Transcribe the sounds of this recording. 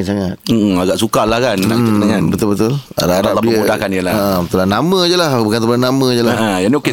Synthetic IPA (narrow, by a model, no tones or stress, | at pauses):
saŋat̪̚m̩aɡaʔsukalahkanaiət̪aŋanbət̪ʊlbət̪ʊla̰daadadimudahkanijəlaəbət̪ʊlanamə̃d͡ʒəlahbukant̪əbananamə̃d͡ʒəlajanioke